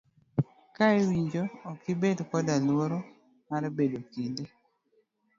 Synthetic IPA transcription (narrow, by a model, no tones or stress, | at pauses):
kaewiɲd͡ʒoːkɪbedkɔdalwoɾo | maɾbedokinde